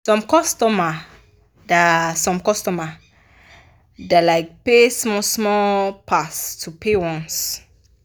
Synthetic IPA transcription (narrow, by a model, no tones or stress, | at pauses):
sɔ̃mkɔstɔma | dasɔ̃mkɔstɔma | dalaɪk̚pesmɔsmɔpʰastʰupʰewɔ̃ns